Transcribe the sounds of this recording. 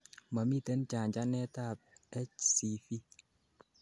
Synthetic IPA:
ma˨mi˦˨te˦nt͡ʃa˨ɲd͡ʒa˦nɛ˦ta˦˨p̚ɛ˦t͡ʃsi˨fi˦

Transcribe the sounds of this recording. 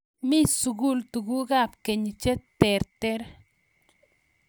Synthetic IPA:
mi˦su˨ɡu˦˨lt̪u˨ɡu˦ɡa˦˨pke˨ɲ˨t͡ʃe˦t̪e˨ɾt̪e˦ɾ

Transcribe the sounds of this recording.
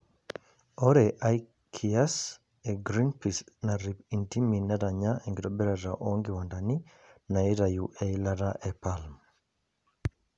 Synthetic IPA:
ɔ˦ɾɛʔa˦j | kʰias | eɡɾi˦npisna˨ɾi˨pi˨nti˦mi˨na˦ɾa˨ɲa˦ɛŋɡe˨ɾɔ˦bɛ˦ɾa˨ɾa˨ʔoŋɡɪwandani˦ | na˨i˦ɾajuʔɛilaɾaʔɛpalm

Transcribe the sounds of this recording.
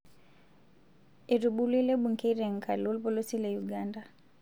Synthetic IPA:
ɛ˨ɾuɓu˦li˦lɛ˦ɓu˨ŋ̩kɛ˦iɾɛ˨ŋ̩˨kʰa˨lɔ˦lpɔ˦lɔ˦si˦lajuɡanda

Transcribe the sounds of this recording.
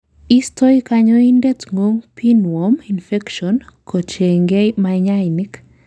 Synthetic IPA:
i˦stʰo˦ikaɲɔinde˦tŋo˦ŋpʰi˦nwɔmi˨nfɛ˦kʃɔnkʰo˨t͡ʃe˨ŋɡe˦maɲa˦inik

